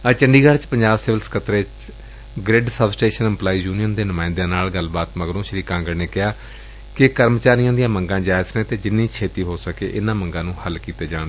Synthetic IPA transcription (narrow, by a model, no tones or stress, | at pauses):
ət͡ʃəɳɖiːɡaɽt͡ʃpəɲd͡ʒaːbsɪːʋəlskʰət̪ɾeːt͡ʃ | ɡɾɪɖsəbsʈeːʃənəmplaːiːjuːnijənd̪eːnʊmãːɪnd̪jãːnaːlɡəlbaːt̪məɡɾõːʃəɾiːkãːŋɡəɾneːkɪɦaː | kɪkəɾmt͡ʃaːɾijãːd̪ijãːməŋɡãːd͡ʒaːɪsəkẽːt̪eːd͡ʒɪnːiːkʰeːt̪iːɦoːsəkḛːʔɪnãːməŋɡãːnũːhəlkiːt̪eːd͡ʒãːñd̪eː